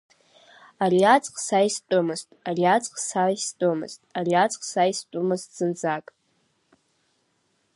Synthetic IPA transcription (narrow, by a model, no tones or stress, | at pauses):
ariat͡sʼqʼsajstʼomɨztʼariat͡sʼqʼsajstʼomɨ̰z̥tʼariat͡sʼqʼsajstʷʼʊmɨztʼz̥ɨnd͡zakʼ